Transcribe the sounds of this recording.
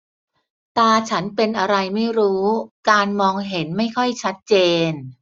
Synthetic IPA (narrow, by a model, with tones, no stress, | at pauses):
t̪aː˧t͡ɕʰa˦˥npe˧nʔa˧ɾa˧jma˥˩jɾuː˦˥kaː˧nmɔː˧ŋɦe˩˦nma˥˩jkʰɔ˥˩jt͡ɕʰa˦˥t̪̚t͡ɕeː˧n